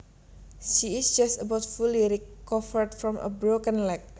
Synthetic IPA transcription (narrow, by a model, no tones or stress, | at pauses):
ʃiɪsd͡ʒastəbaʊtfuliɾikɔfəɹdfɾɔ̃mʔə̰bɹokə̃nlɛk̚